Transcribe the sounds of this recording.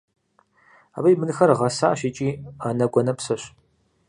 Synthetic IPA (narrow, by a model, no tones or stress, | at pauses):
a̰bɐjmɨnɨxɐrʁɐsaːʃɪt͡ʃʼiːɐnɐɡʷɔnɐpsɐɕ